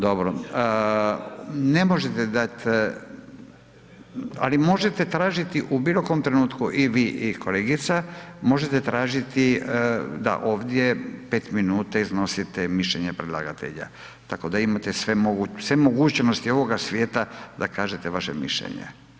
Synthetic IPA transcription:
d̪o̞bɾo | nemo̞ʒet̪ed̪at̪ʲ | a̰limo̞ʒet̪et̪ɾaːʒit̪iʔubilo̞koomt̪ɾenuːt̪kuʔiʋiːʔikʰoleːɡit̪samo̞ʒet̪et̪ɾaːʒit̪i | d̪a̰ʔo̞ːʋd̪je̞pe̞ːt̪minuːt̪aizno̞sit̪emiʃʎeɲepɾed̪lˠa̰ɡat̪ḛʎa̰ | t̪ako̞d̪aimat̪esʋemoɡusʋemoɡuːt͡ʃnost̪io̞ʋo̞ɡasʋje̞ːt̪ad̪akaːʒet̪eʋaʃemḭʃʎḛɲḛ

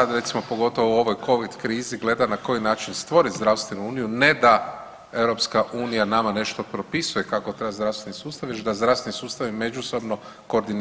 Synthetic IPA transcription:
ad̪ɾe̞t̪simo̞po̞ɡo̞t̪o̞ʋouo̞ʋo̞jkʰo̞ʋid̪kɾiːziɡle̞d̪anako̞jinaːt͡ʃinst̪ʋo̞ɾit̪zd̪ɾawst̪ʋe̞nuuːnijune̞d̪a | e̞wɾo̞pskaʔuːnijanamane̞ʃt̪o̞pɾo̞pisuje̞kakot̪ɾebazd̪ɾasenisuːst̪aʋjeʃd̪azd̪ɾafsʋenisuːst̪aʋime̞d͡ʒuso̞bno̞ | ko̞ːɾd̪in

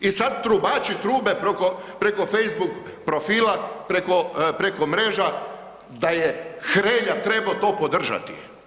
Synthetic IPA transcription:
isad̪t̪ɾubaːt͡ʃit̪ɾuːbepɾokopɾekofejzbuk | pɾofiːlapɾekopɾekomɾeːʒa | d̪ajexɾeːʎat̪ɾebaot̪o̞ːpod̪r̩ʒa̰t̪i̥̰

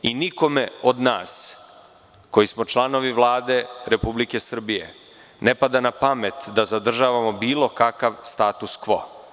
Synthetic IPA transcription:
iniko̞meod̪naːs | ko̞jismo̞t͡ʃlˠano̞ʋiʋlˠaːd̪e̞ɾe̞publike̞sr̩bije̞̰ | nepad̪anapamet̪d̪azad̪r̩ʒaːʋamo̞biːlo̞kakaʋst̪aːt̪uskʋo̞̰

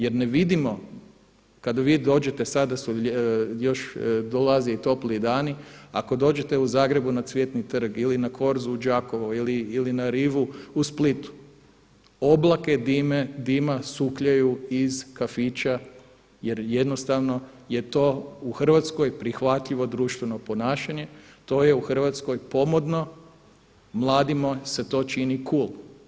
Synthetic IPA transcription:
je̞ɾneʋid̪imo̞ | kad̪aʋiːd̪o̞ːd͡ʒe̞t̪e̞sad̪asujo̞ʃd̪olaziit̪o̞pliːd̪aːniako̞d̪o̞ːd͡ʒe̞t̪e̞uzaːɡɾe̞bunasʋʲjet̪nit̪r̩ɡilinakʰo̞ɾzuud͡ʒaːkoʋoiliːlinaɾiːʋuusplit̪u̥ | o̞blake̞d̪imed̪imasukʎajuizkafit͡ʃa | je̞ɾjed̪no̞st̪aʋno̞ | je̞t̪o̞ːuxr̩ʋat̪sko̞jpɾixʋat̪ʎiʋo̞d̪ɾuʃt̪ʋe̞no̞po̞naːʃaɲe̞t̪o̞ːje̞uxr̩ʋat̪skojpo̞mod̪no̞ | mlˠaːd̪imose̞t̪o̞ːt͡ʃinikulˠ

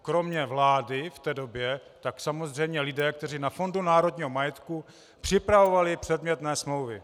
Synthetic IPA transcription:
kɾo̞mɲɛvlaːdɪft̪ɛːdo̞bjɛt̪aksamozr̝ɛjmɲɛlɪdɛːk̚t̪ɛr̝inafo̞ndunaːɾo̞dɲiːɦomajɛt̪ku | pr̝̥ɪpɾavo̞valɪpr̥ɛdmɲɛt̪nɛːsmlo̞wvɪ

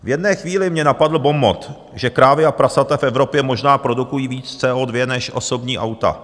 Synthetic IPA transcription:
vjɛdnɛːxviːlɪmɲɛnapadl̩bo̞mbot̪ | ʒɛkɾaːvɪapɾasat̪ɛfɛvɾo̞pjɛmo̞ʒnaːpɾo̞dukujiːviːt͡st͡sɛːʔoːdvjɛnɛʃʔo̞̰so̞bɲiːʔa̰wt̪a̰

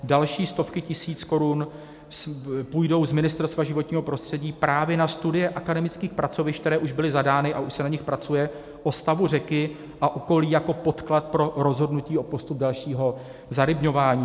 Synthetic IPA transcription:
dalʃiːst̪o̞fkɪcɪsiːt͡sko̞ɾun | spujdo̞wzmɪnɪst̪ɛɾst̪vaʒɪvo̞t̪ɲiːɦo̞pɾo̞st̪r̝̥ɛɟiːpɾaːvjɛnast̪udɪjɛʔakadɛmɪt͡skiːxpɾat͡so̞vɪʃk̚t̪ɛɾɛːʔuʒbɪlɪzadaːnɪʔaʔuʃsɛnaɲɪxpɾat͡sujɛ | ʔo̞st̪avur̝ɛkɪ | ʔaʔoko̞liːjako̞po̞t̪klat̪̚pɾo̞ɾo̞zɦo̞dnuciːo̞po̞st̪up̚dalʃiːɦo̞ | zaɾɪbɲo̞vaːɲiː

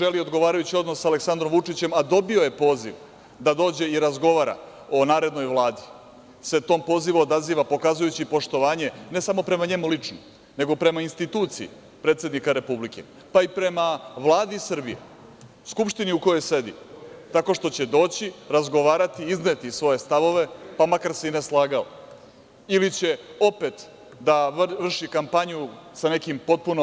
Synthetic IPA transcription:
ʒe̞lio̞d̪ɡo̞ʋaːɾajut͡ɕio̞d̪no̞sːale̞ksand̪ɾo̞mʋut͡ʂit͡ɕe̞mad̪o̞bio̞je̞po̞ːzḭʋ | d̪ad̪o̞ːd͡ʑe̞iɾazɡo̞ʋaːɾa̰ | o̞naːɾe̞d̪no̞jʋlˠaːd̪i | se̞t̪o̞ːmpo̞ːziʋuod̪aziːʋapo̞kazujut͡ɕipo̞ʃt̪o̞ʋaːɲe̞ne̞samo̞pɾe̞maɲe̞mulit͡ʂno̰ | ne̞ɡo̞pɾe̞mainst̪it̪uːt̪siḭ | pɾet̪sje̞d̪nikaɾe̞publike̞̰ | paipɾe̞maʋlˠaːd̪isɨr̩bijḛ | skupʃt̪iniuko̞jo̞jse̞d̪ḭt̪ako̞ʂʃt̪o̞t͡ɕe̞d̪o̞ːt͡ɕiɾazɡo̞ʋaːɾat̪iizne̞t̪isʋo̞je̞st̪aʋo̞ʋe̞pamakaɾseineslˠaːɡalo | ilit͡ɕe̞o̞pe̞t̪ | d̪aʋr̩ʃikampaɲusane̞kimpo̞t̪̚puno

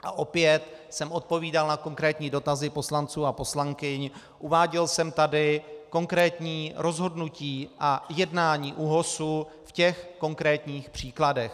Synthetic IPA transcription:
ʔa̰ʔo̞pjɛt̪ | sɛmʔo̞t̪̚po̞viːdalnako̞ŋkɾɛːt̪ɲiːdo̞t̪azɪpo̞slant͡suːapo̞slaŋkɪɲ | ʔuvaːɟɛlsɛmt̪adɪko̞ŋkɾɛːt̪ɲiːɾo̞zɦo̞dnuciːʔajɛdnaːɲiːʔuɦo̞sufcɛxko̞ŋkɾɛːt̪ɲiːxpr̝̥iːkladɛx

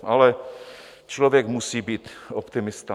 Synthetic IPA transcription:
ʔalɛ | t͡ʃlovjɛkmusiːbiːt̪opt̪ɪmɪst̪a

